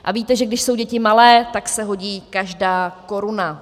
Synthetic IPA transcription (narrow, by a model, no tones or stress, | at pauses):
ʔaviːt̪ɛʒɛɡdɪʃso̞wɟɛcɪmalɛːt̪aksɛɦo̞ɟiːkaʒdaːko̞ɾʊna